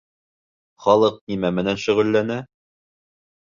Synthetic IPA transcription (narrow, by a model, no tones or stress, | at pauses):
χɒlˠɤq̚nimæmɘ̆nænʃɵ̆ʁɵ̆lːænæ